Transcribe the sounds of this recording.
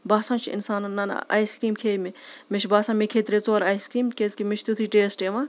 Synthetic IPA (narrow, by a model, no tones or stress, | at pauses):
baːsãːt͡ʃʰɪ̰nsaːnnːɐna̰ːjskɾiːmkʰeːmimit͡ʃʰbaːsãːmikʰeːt̪ɾet͡soːɾaːjskɾiːmkezkimit͡ʃʰʲt̪ut̪ʰiːʈeːsʈemaː